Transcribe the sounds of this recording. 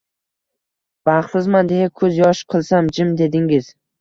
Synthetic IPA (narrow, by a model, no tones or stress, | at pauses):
b̥aχɪzmand̪e̞jakʰɵzjɒʃqʰɨlˠsamd͡ʒɪmd̪e̞d̪ɪŋɪz̥